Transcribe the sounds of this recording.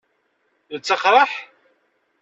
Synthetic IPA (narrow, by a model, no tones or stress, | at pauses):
ðət͡sːəχɾˤɑħ